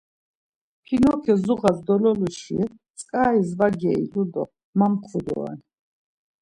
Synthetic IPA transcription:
pʰinɔkʰɛzuʁazd̪ɔlɔluʃḭɛ | t͡sʼkʼaːizvaɡɛḭlud̪ɔ̰ | mamqʰud̪ɔ̰a̰n

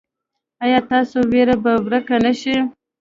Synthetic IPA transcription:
ajɑt̪ɑsoweɾabawɾəkanaʃi

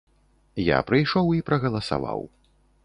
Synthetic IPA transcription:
ja̰pɾɨjʂɔwipɾɐɣɐlˠɐsa̰va̰w

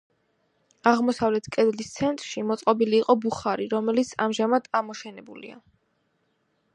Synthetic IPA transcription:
aʁmɔsavlɛt̪ʰkʼɛd̪list̪sʰɛnt̪ʼɾʃimɔt̪sʼqʼɔbiliːqʼɔbuχaɾiɾɔmɛlit̪sʰa̰mʒamad̪amɔʃɛnɛbulḭa̰

